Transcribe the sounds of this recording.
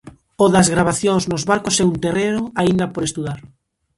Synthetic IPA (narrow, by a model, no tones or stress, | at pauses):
oðɐzɣɾaβaθjoŋznozβaɾkosɛunt̪ereɾʊaind̪ɐpoɾest̪uðaɾ